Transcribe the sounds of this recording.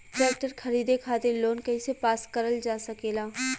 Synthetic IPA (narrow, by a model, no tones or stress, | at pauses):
ʈɛːk̚ʈəɾkʰɐɾiːd̪ekʰaːt̪ɪɾloːnkɐisepaːskəɾəld͡ʒaːsɐkeːlaː